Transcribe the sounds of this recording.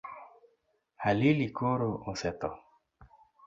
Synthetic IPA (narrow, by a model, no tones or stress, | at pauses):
halilikoɾosɛt̪ɔ